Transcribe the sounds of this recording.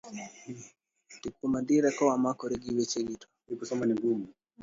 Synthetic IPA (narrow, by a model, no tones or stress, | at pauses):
tikunadiɾɛkɔwamakɔɾiɡiwit͡ʃɛɡitɔ̥ | ipɔsɔmaniŋɡumu